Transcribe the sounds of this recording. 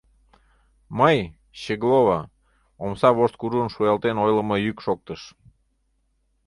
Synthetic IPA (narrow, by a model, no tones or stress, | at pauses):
məj | ɕeɣloβɑ | omsɑβoʃt̪̚kuɾuənʃujɑlt̪enojlə̆məjykʃok̚t̪əʃ